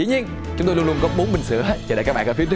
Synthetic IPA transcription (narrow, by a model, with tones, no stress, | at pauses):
ḭ˧˨˦ɲi˧ən | t͡ɕʊ˨˦ŋ͡mt̪o˧lu˧lu˧ənkɔ˨˦ɓo˨˦nɓï˨˩ŋ̟sɨ̰˧˩˨əə˦t͡ɕːlaː˧˨˩kaː˦˥ɓaː˧˨kːft͡ɕɨ˦˥